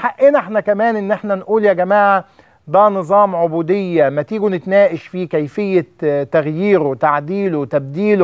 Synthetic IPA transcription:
ħaʔeːneħnækæmæːnʔɪnːʔeħnænʔuːljæɡæmaːʕ | d̪æːnɨzˤɑːmʕobuːd̪ɪjːæmæt̪iːɡunɪt̪næːʔɪʃfiːkæjfɪjːæt̪æɣjiːɾot̪aʕd̪iːlot̪æb̚d̪iːl

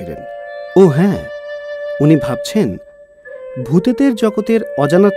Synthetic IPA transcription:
ɾḛnoɦɛ̃ | unibʱab̚t͡ɕʰen | bʱut̪ed̪eɾd͡ʑɔɡot̪eɾɔd͡ʑanat̪

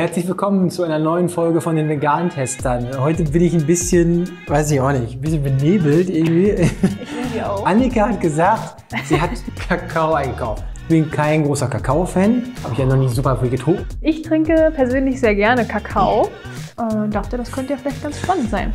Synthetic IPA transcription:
hɛɐt͡slɪçvɪlkʰɔmənt͡suʔaɪnɐnɔʏənfɔlɡəfɔndeːnveɡaːnntʰɛstɐnhɔʏtəbɪnɪçnbɪsçən | vaɪs̬ɪçaʊxnɪçtn̩bɪsçənbəneːbl̩tʔɪɐɡŋ̩tv̥iː | ia̰ʊʔanɪkahatɡ̥əzaːkt | z̥iːɦatkʰakʰaʊʔaɪnɡəkʰaʊftɪçb̥ɪnkʰaɪnɡʁoːsɐkʰakʰaʊfɛnhhaːbɐɪçanɔχnɪçzuːpɐviːɡətʰoːpʔɪçtʁ̥ɪŋkəpʰɛɐzøːnlɪçz̥eːɐɡɛɐnəkʰakʰaʊ | ʔɛd̥aχtədaskʰœntəjafɪlaɪçt̚ɡ̥ansʃpanəntz̥aɪn

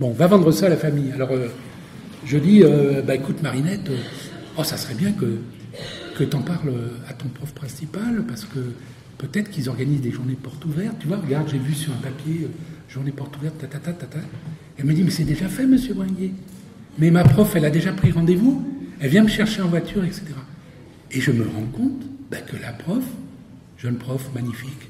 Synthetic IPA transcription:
bɔ̃vavɑ̃d̪ʁəsalafamijalɔʁø | ʒəd̪iøbaekut̪maʁinɛt̪ø | ɔsasχɛbjɛ̃kə | kət̪ɑ̃paʁløat̪ɔ̃pχɔfpχɛ̃sipalpaʁsə̥kə | pøt̪ɛt̪χəkilzɔʁɡanizd̪eʒuʁnepɔʁt̪uvɛʁt̪̚t̪ːyvwaʁəɡaʁd̪ʒebysyʁɛ̃papjeøʒuʁnepɔʁt̪uvɛʁt̪ːat̪at̪at̪at̪a | ɛlməd̪imɛsɛd̪eʒafɛməsjøbʁlɛ̃ɡje | mɛmapχɔfɛlad̪eʒapχiʁɑ̃d̪evuɛlvjɛ̃məʃɛʁʃeɑ̃vwat̪ʰyʁɛkse̥t̪eʁa | eʒəməʁɑ̃kɔ̃t̪b̥akəlapχɔf | ʒ̥ɛnpχɔfmaɲifik

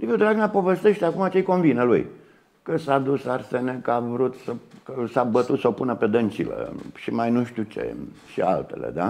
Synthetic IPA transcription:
liviud̪ɾaɡnapo̞vest̪e̞ʃt̪eakumat͡ʃejkonvinəlṵj | kəsad̪usarsenekəavɾut̪səkəsabət̪ut̪səopunəpe̞d̪ənt͡ʃilə̰ʃimajnuʃt̪ut͡ʃḛ | ʃia̰lt̪ḛlḛd̪a

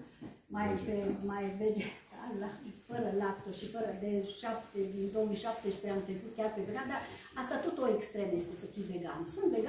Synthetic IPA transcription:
majpemajved͡ʒeazafəɾəlap̚t̪oʃifəɾəd̪eʃap̚t̪ed̪ind̪o̞womijʃap̚t̪espɾeamt̪ɾekut̪̚kʲarpevɾead̪a | ast̪at̪ot̪oekst̪ɾemjest̪e̞səfijveɡamsunt̪veɡ

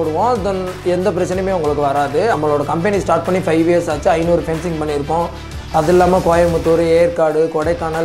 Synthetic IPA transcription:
oɽɯʋõːɐðɐnɛnd̪ɐp̬ɪɾɐt͡ʃːɐnɐmeːʊŋɡɐɭɯk̬ːɯʋɐɾaːðɯɐmːɐɭoːɽɐkɐmpɛnisʈaːɾʈ̚pɐɳːifɐɪʋijɐɾsaːt͡ʃːɯɐɪnuːɾɯfɛnsɪŋɡpɐɳːiɪɾɯpːõ | ɐðɛlːaːmɐkoːjɐmɯt̪ːoɾɯeːɾkaːɽɯkɔɽɐɪkːaːnɐ

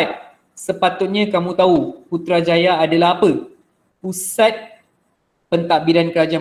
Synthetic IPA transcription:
t̪̚ | səpat̪ʊt̪̚ɲãkamũt̪auput̪ɾad͡ʒajaːdalaɦapə | pusat̪̚ | pənt̪aʔbiɾankəɾad͡ʒa

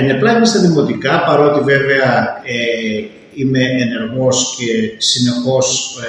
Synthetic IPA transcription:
neplɐimɐst̪ɐðimo̞t̪ikɐpɐɾo̞t̪ive̞veɐe | ime̞ːne̞ɾɣo̞sce̞sine̞xo̞s

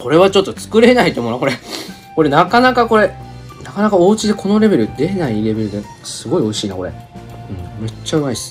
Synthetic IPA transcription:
ko̞ɾe̞βat͡ɕo̞t̪ːo̞t͡sɨ̥kɯ̟ɾe̞nait̪omonako̞ɾe̞ | ko̞ɾe̞nakanakako̞ɾe̞ | nakanakao̞ːɯt͡ɕid̪e̞ko̞no̞ɾe̞be̞ɾɯ̟d̪e̞naiɾe̞be̞ɾɯ̟d̪e̞ | sɨɡo̞io̞iɕiːnako̞ɾe̞̰ɯ̟̃ɴme̞t͡ɕːaɯ̟maisɨ̥

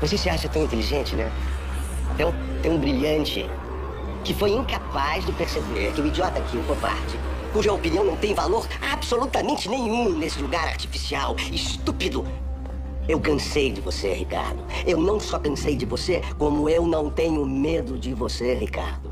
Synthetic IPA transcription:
vosesɪaʃɐt̪ɐ̃wĩnt̪eliʒẽnt͡ʃɪnɛ̰̃ | t̪ɐ̃w̃ | t̪ẽũbɾiʎɐ̃nt͡ʃɪ̰ | kɪfojĩŋkapazd͡ʒɪpeɾsebeɾkɪʊid͡ʒiɔt̪ɐkiʊvopa̰ɾt͡ʃɪ | kuʒɐopiniɐ̃w̃nɐ̃w̃t̪ẽj̃valoɾ | absolut̪ɐmẽnt͡ʃɪnẽɲ̃ũnesɪluɡaɾa̰ɾt͡ʃi̥fisiawɪst̪upid̪ʊ | ewkɐ̃sejd͡ʒɪvosḛhika̰ɾd̪ʊ | ewnɐ̃w̃sɔkɐ̃sejd͡ʒɪvosekõmʊewnɐ̃w̃t̪ẽɲʊmed̪ʊd͡ʒɪvoseɦika̰ɾd̪ʊ

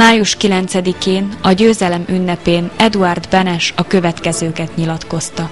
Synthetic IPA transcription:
aːjuʃkilɛnt̪sɛd̪ikeːnɒɟøːzɛlɛmynːɛpeːnɛd̪uard̪bɛnɛʃɒkø̞vɛt̪kɛzøːkɛt̪ɲilɒt̪ko̞st̪ɒ

